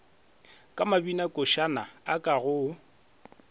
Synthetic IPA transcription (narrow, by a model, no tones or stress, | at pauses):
kʼamabinakʼʊʃanaakʼaɣʊ